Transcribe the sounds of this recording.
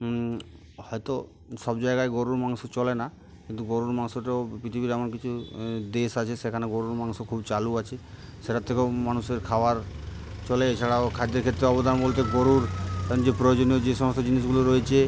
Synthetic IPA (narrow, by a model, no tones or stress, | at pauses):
hɔjt̪o | ʃɔbd͡ʑaeɡaeɡoɾuɾmaŋsot͡ɕɔlena | kint̪uɡoɾuɾmaŋsoʈeopɾit̪ʰibiɾɛmonkit͡ɕʰud̪eʃat͡ɕʰeʃekʰaneɡoɾuɾmaŋsokʰubt͡ɕaluat͡ɕʰe | ʃeʈat̪ʰːekemanuseɾkʰaoaɾt͡ɕɔleet͡ɕʰaɽakʰad̪ːeɾkʰet̪ːɾeɔbod̪ʱanbolt̪eɡoɾuɾk̪ɛɾond͡ʑepɾojod͡ʑoniod͡ʑeʃɔmost̪od͡ʑinis̬ʃ̬ɡuloɾoet͡ɕʰe